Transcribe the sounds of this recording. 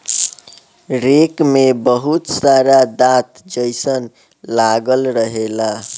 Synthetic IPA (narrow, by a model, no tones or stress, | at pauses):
ɾekmebʌɦut̪saɾad̪at̪d͡zʌjsʌn | laɡʌlɾʌɦela